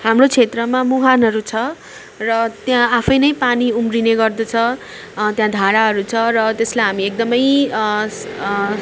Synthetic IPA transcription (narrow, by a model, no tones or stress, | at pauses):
hamrot͡sʰet̪rʌmamuɦanɦʌɾut͡sʰʌ | rʌt̪jãapʰʌjnʌjpaniumrineɡʌrd̪ʌt͡sʰʌ | t̪jãd̪ʱaɾaɦʌɾut͡sʰʌrʌt̪eslajɦamiek̚d̪ʌmʌj